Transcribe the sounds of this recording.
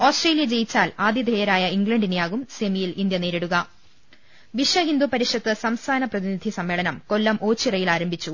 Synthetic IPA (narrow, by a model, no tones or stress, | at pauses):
oːsʈre̞ːlijɐd͡ʑejit͡ɕːaːlaːd̪jɐd̪ʱejɐɾaːjɐiŋɡlɐɳɖinjaːɣumsemijilʔind̪jɐne̞ːɾeɽuɣɐ | ʋiʂʋɐɦind̪upɐɾiʂɐt̪ːɨsɐmst̪ʰaːnɐprɐðinid̪ʱisɐmːe̞ːɭɐnɐmko̞lːɐmʔo̞ːt͡ɕːirɐjilaːɾɐmbʱit͡ɕːu